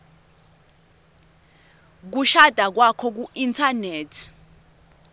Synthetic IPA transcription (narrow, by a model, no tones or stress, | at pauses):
k̬uʃad̥ʱak̬wakʰɔk̬uintʰaneːtʰi̥